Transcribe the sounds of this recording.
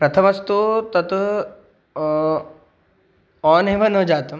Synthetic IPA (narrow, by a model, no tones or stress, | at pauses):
pɾɐt̪ʰɐmɐst̪ut̪ɐt̪ | ɔːnɦibʱɐnod͡ʒaːt̪ɐm